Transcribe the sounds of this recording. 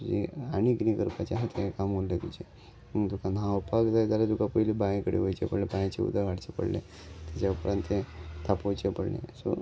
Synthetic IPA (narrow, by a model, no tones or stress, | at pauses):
ud͡ʑeañiɡnikəɾpat͡ɕaɦet̪ʰaɦekamollet̪ut͡ɕe | məɡt̪ukanãopaɡd͡zaed͡z̪alat̪ukapəjilebajẽkəɽḛʋəjt͡ɕḛpəɽlebajat͡ɕeṵd̪ʱaɡaɽt͡ɕepə̰ɽlḛ̃ | t̪jat͡ɕaupɾant̪et̪ʰapojt͡ɕepəɽɳḛ̃so̰